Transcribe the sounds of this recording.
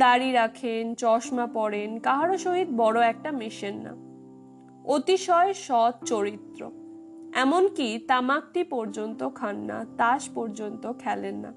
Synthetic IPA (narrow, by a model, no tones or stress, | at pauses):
d̪aɾiɾakʰent͡ɕɔʃmapɔɽenkaɦaɾoʃoɦid̪̚bɔɽoɛk̚ʈamiʃenːa̰ | ot̪iʃɔeʃɔd̪̚t͡ɕoɾit̪ːɾo̰ | ɛmonkit̪amak̚t̪ipɔɾd͡ʑont̪okʰanːa̰t̪aʃpɔɾd͡ʑont̪okʰɛlenːa̰